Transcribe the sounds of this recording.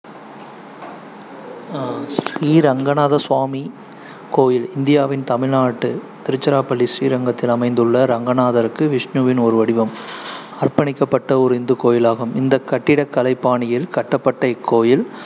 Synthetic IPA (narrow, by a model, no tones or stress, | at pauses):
siːɾɐŋɡɐnaːðɐswaːmi | koːjɪlɪnd̪ɪjaːʋɪnt̪ɐmɪɻnaːʈːɯ | t̪ɪɾɯt͡ʃːɐɾaːpɐɭːisiːɾɐŋɡɐt̪ːɪlɐmɐɪnd̪ɯɭːɐɾɐŋɡɐnaːðɐɾɯkːɯʋɪʂnuːʋɪnɔɾɯʋɐɽɪʋɐm | ɐrpɐɳɪkːɐpːɐʈːɐʊɾɪnd̪ɯkoːjɪlaːɣɐmɪnd̪ɐkːɐʈːɪɽɐkːɐlɐɪpːaːɳɪjɪlkɐʈːɐpːɐʈːɐɪkʰːoːjɪl